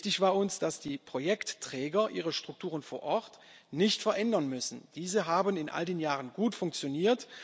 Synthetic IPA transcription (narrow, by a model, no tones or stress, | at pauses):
tɪçv̥aːɐʊnsd̥asd̥iːpʁ̥ojɛktːʁ̥ɛːɡɐʔiːʁəʃtʁ̥ʊk̚tʰuːʁənfoːɐʔɔt | nɪçtfɛɐʔɛndɐnmʏsn̩d̥iːzəɦaːbənɪnʔa̰ldeːnjaːʁənɡuːtfʊŋk̚t͡sjoniːɐt